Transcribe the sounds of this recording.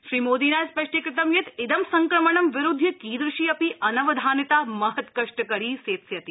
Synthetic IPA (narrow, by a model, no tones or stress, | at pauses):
ʃɾiːmoːd̪inaːjspɐʃʈikɾɪt̪ɐmjet̪ɪd̪ɐmsɐŋkɾɐməɳɐmʋɪɾud̪ʱːikiːd̪ɾɪʃiːɐpiʔɐnɐʋɐd̪ʱaːnɐt̪aːmɐɦɐt̪kɐʂʈəkɐɾiːseːt̪sjɐt̪i